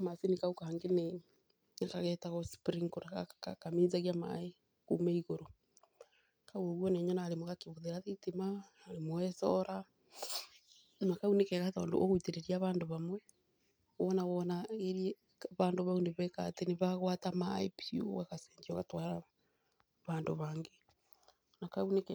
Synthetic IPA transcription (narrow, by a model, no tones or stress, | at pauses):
masenikaukaŋɡene | nakaɣɛtaɣɔspɾiŋkoɾaɣakakaminzaɣiama̰e | kumeiɣoɾo | kauoɣwɔneɲɔnaːɾemoɣakeβoðeɾaðitemaː | ɾemoɛsɔɾa | nakaunekɛɣatɔːndo̰oɣoiteɾeɾiaβaːndoβamwɛ | ɔnawɔnaeɾie | βaːndoβauneβɛkateneβaɣwatamaepṵwaɣasɛɲd͡ʒiɔɣatwaɾa | βaːndoβaːŋɡe | nakaunek